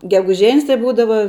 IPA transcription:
ɡʲɛɡʊˈʒʲɛnʲs tɐɪ ˈbuːdɐʋɐ

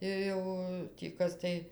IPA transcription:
ɪr ˈjɛʊ tʲiː ˈkɐs tɐɪ

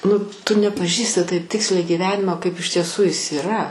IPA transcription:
nʊ ˈtʊ nʲɛpɐˈʒʲiːsʲtʲɪ ˈtɐɪp ˈtʲɪksʲlʲɛɪ ɡʲiːˈʋʲæːnʲɪmoː ˈkɐɪp ɪʃ tʲiɛˈsʊ ˈjɪs ɪˈrɐ

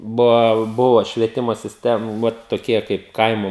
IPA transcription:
ˈbʊʋɐ ˈbʊʋoː ʃʲʋʲiɛˈtʲɪmoː sʲɪsʲˈtʲɛm ˈʋɐt toːˈkʲiɛ kɐɪp ˈkɐɪmʊ

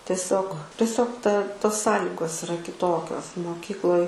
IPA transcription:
tʲɛˈsʲoːk tʲɛˈsʲoːk tɐ toːs ˈsɑːlʲɪɡoːs ɪˈrɐ kʲɪˈtoːkʲoːs moːˈkʲiːklˠoːj

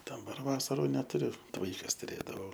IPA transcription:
dɐˈbɐr ˈʋɑːsɐruː nʲɛtʊˈrʲʊ t ˈʋɐɪkɐs tʊˈrʲeːdɐʋɐʊ

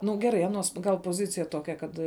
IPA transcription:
nʊ ˈɡʲæːˌrɐɪ ˈɑːnuɔs ɡɐlˠ poːˈzʲɪt͡sʲɪjɛ ˈtoːkʲɛ ˈkɐt

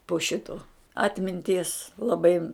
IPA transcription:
poː ˈʃʲɪtoː ˈɑːtʲmʲɪnʲtʲiɛs lˠɐˈbɐɪ

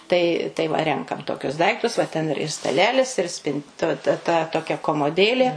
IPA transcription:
tɐɪ tɐɪ ˈʋɐ ˈrʲɛŋkɐm toːˈkʲʊs ˈdɐɪktʊs ʋɐ ˈtʲɛn ɪr ɪr stɐˈlʲæːlʲɪs ɪr sʲpʲɪn tʊ ˈtɐ tɐ toːˈkʲɛ koːmoːˈdʲeːlʲeː

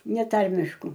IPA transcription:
nʲɛˈtɐrʲmʲɪʃkʊ

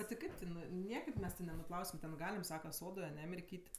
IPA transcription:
bʲɛt tʲɪ ˈkɐɪp tʲɪˈnʊɪ ˈnʲiɛkɐɪp ˈmʲɛs tʲɪ nʲɛnʊˈplˠɐʊsʲɪm tʲɛn ˈɡɑːlʲɪm ˈsɑːkɐ ˈsoːdoːj ɐˈnʲɛ mʲɪrʲˈkʲiːtʲ

